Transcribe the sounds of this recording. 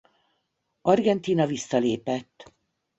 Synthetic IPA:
ɒrɡɛnt̪iːnɒvisːɒleːpɛt̪ː

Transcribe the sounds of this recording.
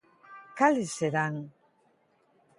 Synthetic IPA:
kaliseðaŋ

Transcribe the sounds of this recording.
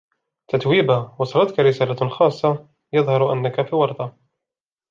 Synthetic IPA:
t̪at̪wiːbawɑsˤɑlɑt̪kaɾɪsaːlaxɑːsˤːɑ | jɑðˤhɑɾˤʔa̰nːakafiːwɑɾˤt̪ˤɑ

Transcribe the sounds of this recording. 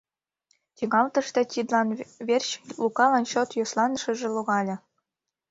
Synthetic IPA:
tʲiɡɑlˠt̪ɤ̆ʂt̪ʲɑ̆tʲid̪lˠɑnʋʲerʲɕlˠukɑlˠɑnɕot̪joslˠɑnʂɘ̆ʐɘ̆lˠuʁɑlʲɘ̆

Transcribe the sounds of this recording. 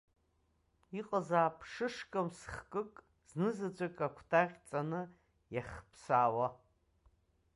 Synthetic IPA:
iqʼazaːpʰʂɨʂkʼɨmsχkʼɨkʼ | znɨzad͡ʒʷʼakʲʼakʷʰtʰaʁʲt͡sʼanɨ | jaχʲpʰsaːwa

